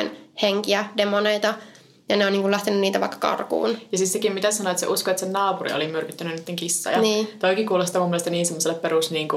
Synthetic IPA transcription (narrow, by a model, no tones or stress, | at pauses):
nheŋkiædemoneit̪ɑ | jɑneoniːŋkulæht̪enynniːt̪æʋɑ̰ikːɑ̥kɑ̰rkṵːnjɑsit̪sekimmit̪æssɑnoet̪sḛʔuskoet̪sennɑːpurḭo̰limyrkyt̪ːænynnyt̪ːeŋkisːɑ̰jɑɑniːt̪oikikuːlest̪ɑmumːielest̪ɑniːnsemːoselːeppeɾuˑsniːŋku